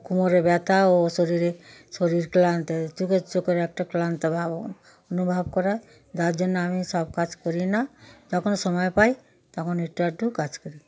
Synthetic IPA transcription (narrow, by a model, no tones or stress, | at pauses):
kumoɾebɛt̪aosɔɾiɾesoɾiɾklant̪t̪uket͡ʃokɔɾɛk̚ʈaklant̪ɔbʱab | ɔnubʱabkɔɾa | d̪aɾd͡ʒonːeamisɔbkad͡ʒkɔɾinad͡ʒɔkʰonsɔmɔjpaj | t̪ɔkʰɔneʈaʈukad͡ʒkɔɾi